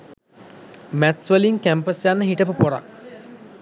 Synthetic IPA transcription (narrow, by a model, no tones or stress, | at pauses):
mæt̪sʋəliŋkæmpəsjanːəɦiʈəpəpoɾa̰k